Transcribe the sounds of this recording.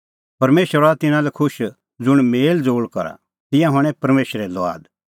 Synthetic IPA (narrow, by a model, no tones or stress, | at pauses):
pɐɾmeːʃəɾat̪ɪnãlɛkʰʊʃ | d͡zʊɽ̃meːld͡zoːɭkɐ̰ɾa̰ | t̪ɪ̃jãɦɐɽ̃ɛ̃pɐɾmeːʃɾɛlɔa̰ːd̪